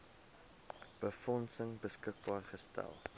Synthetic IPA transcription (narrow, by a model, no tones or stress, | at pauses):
b̥əfɔnsəŋbəskək̚bɑːrχəstæ̰lˠ